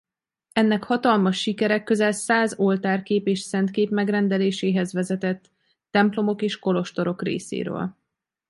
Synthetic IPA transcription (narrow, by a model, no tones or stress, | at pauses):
ɛnːɛkhɒt̪ɒlmɒʃːikɛɾɛkːøzɛlsaːzo̞lt̪aːrkeːpeːʃsɛnt̪keːpmɛɡrɛnd̪ɛleːʃeːɦɛzʋɛzɛt̪ɛt̪ː | ɛmplo̞mo̞keːʃko̞lo̞ʃt̪o̞ɾo̞krḛːsḛːɾø̰ːl